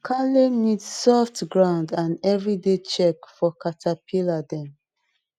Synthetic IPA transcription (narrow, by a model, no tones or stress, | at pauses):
kʰalenidsɔftɡɹãʊ̃ndãnɛvɹidet͡ʃɛkfɔkatʰapʰiladɛ̃m